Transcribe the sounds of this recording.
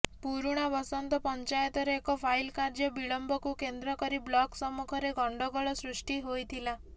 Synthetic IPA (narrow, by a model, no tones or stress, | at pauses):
puɾuɽ̃abɔsɔnt̪ɔpɔɲt͡ʃajɔt̪ɔɾeːkɔpʰajlkaɾd͡ʒɔbiɭɔmbɔkukend̪ɾɔkɔɾiblɔksɔmukʰɔɾeɡʱɔɳɖɔɡɔɭɔsɾuʂʈiɦojt̪ʰila